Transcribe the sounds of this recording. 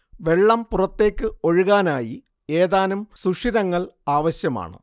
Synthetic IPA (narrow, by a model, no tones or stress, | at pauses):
ʋe̞ɭːɐmpurɐt̪ːe̞ːkʲːɨo̞ɻuɣaːnaːji | e̞ːðaːnumsuʂiɾɐŋːɐɭaːʋɐɕjɐma̰ːɳɨ̰